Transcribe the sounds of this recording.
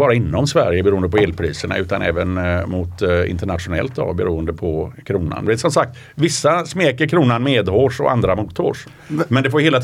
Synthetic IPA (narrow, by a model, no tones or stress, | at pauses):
bɑːɾaɪnːɔmsvæɾjəbɛɾuːənd̪əpʰɔeːlpʰɾiːsəɳa̰ʉ̟ːt̪anʔɛ̰ːvənmʊt̪ɪ̰nt̪əɳat̪ɧʊnɛ̰lt̪̚d̪ɔ̰bɛɾuːənd̪əpʰɔkʰɾuːna̰nd̪ɛeːt̪sɔmsak̚t̪ | vɪsːasmeːkəɾkʰɾuːnanmeːd̪ɦoːʂɔ̰ʔa̰nd̪ɾamut̪ʰo̰ːʂ | mɛnd̪ɛfoːjʏheːlat̪